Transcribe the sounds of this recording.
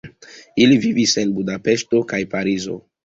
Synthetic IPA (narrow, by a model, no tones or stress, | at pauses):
ilivivise̞nbudape̞sto̞kajpaɾizo̞̰